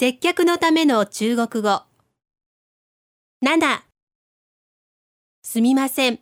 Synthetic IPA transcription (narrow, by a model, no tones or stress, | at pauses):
se̞kʲːakɯ̟no̞t̪ame̞no̞t͡ɕɨːɡo̞kɯ̟ɡo̞ | nad̪a | sɨmʲimasẽ̞ɴ